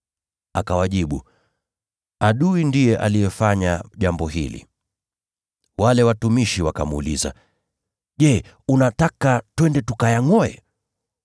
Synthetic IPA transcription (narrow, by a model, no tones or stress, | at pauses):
akawaʄiɓu | aɗuindijɛʔa̰lijɛfaɲaʄambɔɦilḭ | walɛwatumiʃiwakamṵliza̰ | ʄɛ | unatakatwɛndɛtukajaŋɔjɛ̰